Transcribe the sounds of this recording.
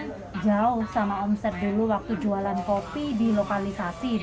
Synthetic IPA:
d͡ʒaʊhsamaɔmsɛt̪̚duluwak̚t̪ud͡ʒualankopidilokalisasi

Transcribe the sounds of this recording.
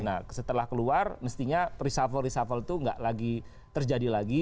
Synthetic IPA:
nasət̪əlahkəluarməst̪iɲarisafəlrisafəlt̪uŋɡaʔlaɡi | t̪ərd͡ʒadilaɡi

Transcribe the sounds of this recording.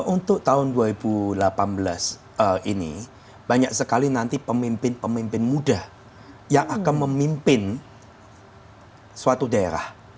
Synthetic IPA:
ʔunt̪ʊk̚t̪aɦʊnduaɾibulapanbəla̰s | əinḭ | b̥aɲak̚səkalinant̪ipəmimpɪnpəmimpɪnmudah | jaŋʔakanməmimpɪn | suat̪udaḛɾa̰h

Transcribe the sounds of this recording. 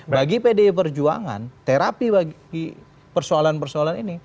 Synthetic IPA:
baɡipedeip̬ərd͡ʒua̰ŋa̰nt̪eɾapibaɡɡi | pərsoalanpərsoalanini

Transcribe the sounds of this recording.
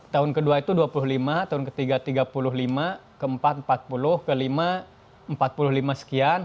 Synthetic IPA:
t̪aʊnkəduait̪uduapulʊhlimat̪aʊnkət̪iɡat̪iɡapulʊɦlimakəəmpat̪̚mpat̪̚pulʊhkəlima | əmpat̪̚pulʊhlimasə̥kian

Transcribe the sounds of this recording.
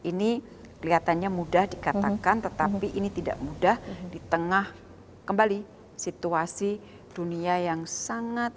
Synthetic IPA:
ʔini | kəliat̪anɲamudahdikat̪akant̪ət̪apiʔinit̪ida̰ʔmudahd̥it̪əŋah | kəmbali | sit̪uasi | d̥uniajaŋsaŋat̪̚

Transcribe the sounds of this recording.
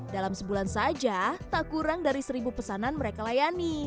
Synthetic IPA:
dalamsəbulansad͡ʒat̪aʔkuɾaŋdaɾisəɾibupəsananməɾekalajani

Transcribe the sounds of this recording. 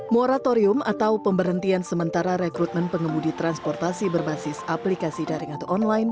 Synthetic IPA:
moɾat̪oɾiʊmʔat̪awpəmbəɾɦənt̪iansəmənt̪aɾaɾɛkɾut̪̚mənpəŋəmudit̪ɾanspɔrt̪asibərbasɪsaplikasidaɾɪŋat̪awɔnlajn

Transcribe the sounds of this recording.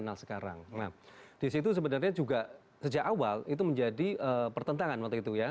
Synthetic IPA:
ənalsə̥kaɾa̰ŋnahd̥is̬it̪us̬əbənarɲad͡ʒuɡa | səd͡ʒakawalit̪̬uməɲd͡ʒadiʔəːpərt̪ənt̪aŋanwakt̪uit̪uja

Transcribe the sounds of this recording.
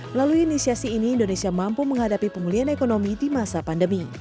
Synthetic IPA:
laluiːnisiasiːniːndonesiamampuməŋɦadapipəŋmulianekonomidimasapandəmi

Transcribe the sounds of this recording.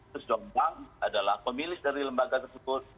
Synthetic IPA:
ʊsd͡ʒɔmbaŋadalahpəmilɪsdaɾiləmbaɡat̪ərsəbʊt̪̚

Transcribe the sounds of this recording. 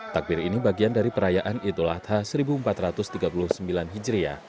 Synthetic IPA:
t̪ak̚bɪɾinibaɡiandaɾipəɾajaʔanit̪ulat̪ʰhasəɾibuːmpat̪ɾat̪ʊst̪iɡapulʊhsəmbilanɦid͡ʒɾia̰

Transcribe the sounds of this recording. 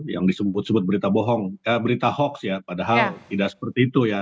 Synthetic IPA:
ja̰ŋdisəmbʊt̪̚səbʊt̪̚bəɾit̪abɔɦɔŋkabəɾit̪ahɔksjapadaɦalt̪idaksə̥pərt̪iːt̪uja

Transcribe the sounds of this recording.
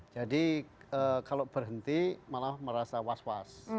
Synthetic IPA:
d͡ʒadiəkalob̥ərɦənt̪imalahməɾasawaswas

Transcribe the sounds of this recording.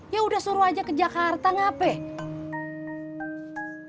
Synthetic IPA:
jaudahsuɾuad͡ʒakəd͡ʒakart̪aŋapɛ

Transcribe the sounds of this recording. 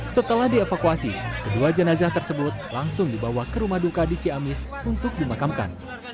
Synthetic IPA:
sət̪əlahdiefakuasikəduad͡ʒənazaht̪ərsəbʊt̪̚laŋsʊŋdibawahkəɾumahdukadit͡ʃiamɪs | unt̪ʊk̚dimakamka̰n

